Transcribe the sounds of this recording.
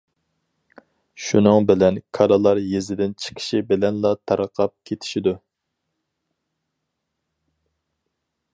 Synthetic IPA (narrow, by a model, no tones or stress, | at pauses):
ʃunɨŋbɪlɛnkʰɑɾɑlˠɑɾjezɪd̪ɪnt͡ʃʰɪ̥kʰɪ̥ʃibɪlɛnlˠɑt̪ʰɑɾəqʰɑp̚kʲʰet̪ʰɪ̥ʃid̪u